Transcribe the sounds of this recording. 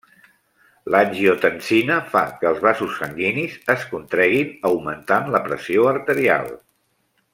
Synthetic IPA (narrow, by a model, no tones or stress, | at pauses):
lanʲʒiot̪ənsinəfa̰kəːlˠzβ̞asusːəŋɡinizəskunt̪ɾɛɣ̞inəwmənt̪anləpɾəsioəɾt̪əɾia̰lˠ